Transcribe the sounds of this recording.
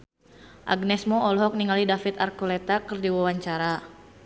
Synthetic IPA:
ʔa̰ɡnɛsmɔɔlɔɦɔk̚niŋalidafit̪arkulɛt̪akɨrdiwawaɲt͡ʃaɾa

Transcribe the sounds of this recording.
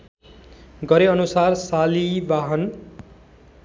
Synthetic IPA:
ɡʌɾeʌnusarsalibaɦʌn

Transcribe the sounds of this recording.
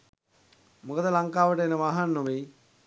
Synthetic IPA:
mukəd̪əlaŋkaːʋəʈəenəʋaːɦanːoʋe

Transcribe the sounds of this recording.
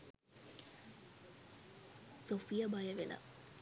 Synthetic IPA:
sofijabajɐʋelɐ̰

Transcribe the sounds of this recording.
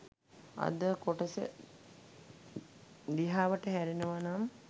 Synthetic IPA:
a̰d̪əkoʈəsə̰ | liɦaːʋəʈəɦæɾinəʋanam

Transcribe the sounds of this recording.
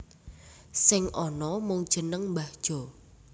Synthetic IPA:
sɪŋʔɔnɔmʊŋd̥ʒ̥ənəŋmbahd̥ʒ̥ɔ̤

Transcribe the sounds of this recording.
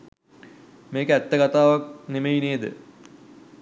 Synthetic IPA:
meːkəæt̪ːəɡat̪aːʋak̚nemejineːd̪ə̰

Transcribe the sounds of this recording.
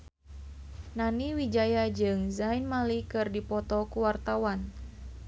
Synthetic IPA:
naniwid͡ʒajad͡ʒɨŋzainmalikɨrdipɔt̪ɔkuwart̪awan

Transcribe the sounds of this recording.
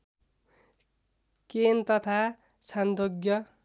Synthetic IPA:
kent̪ʌt̪ʰa | sand̪oɡjʌ

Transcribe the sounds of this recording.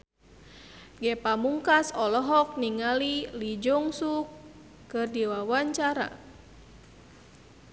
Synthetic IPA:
ɡɛpamuŋkasɔlɔɦɔk̚niŋalilid͡ʒɔŋsukː | ɨrdiwawaɲt͡ʃaɾa̰

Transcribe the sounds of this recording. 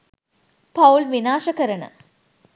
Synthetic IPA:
pʰɐwlʋinaːʂɐkɐɾɐɳɨ̰

